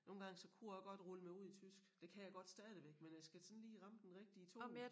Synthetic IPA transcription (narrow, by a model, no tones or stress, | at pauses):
no̝ːn̩ɡɑ̈ŋsɒ̽kʰujaɡ̥ɒ̽d̥ʁɔləmɑuð̞̰ˠit͡sʰysɡ̥d̥e̝kʰæjɑ̈ɪɡ̥ɒ̽d̥sd̥ɛð̞ˠiʋeɡ̥menjasɡ̥æsɔ̽nliːʁɑ̈məd̥enʁeɡ̥̚d̥iət͡sʰo̝me